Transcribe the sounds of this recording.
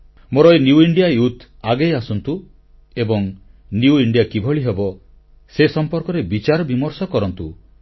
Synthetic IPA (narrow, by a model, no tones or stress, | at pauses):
moɾɔjnjuiɳɖijajut̪ʰ | aɡejasɔnt̪u | ebɔŋ | njuiɳɖijakibʱɔɭiɦebɔ | sesɔmpɔɾkɔɾebit͡ʃaɾɔbimɔɾsɔkɔɾɔnt̪u